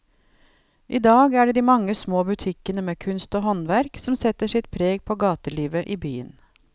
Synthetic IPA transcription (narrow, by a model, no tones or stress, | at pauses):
ʔiːd̪ɑːɡæːɖeːd̪iːmɑŋːəsmoːbʉt̪ʰɪkənəmeːkʰʉnst̪oːɦɔnʋæɾksɔmsɛt̪ːəʂɪt̪pʰɾeːɡpʰoːɡɑːt̪əliːʋəʔiːbyːə̰n